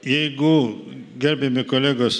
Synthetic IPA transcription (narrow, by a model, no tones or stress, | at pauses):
jɛɪɡʊɡʲɛɾʲbʲɛmʲɪkoːlʲæːɡos